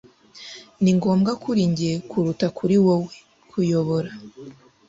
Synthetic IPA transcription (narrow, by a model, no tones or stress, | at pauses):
niŋɡo̞ːmɡakuɾiːɲɟijekʰuɾutakʰuɾiwowe | kʰujo̞βoɾa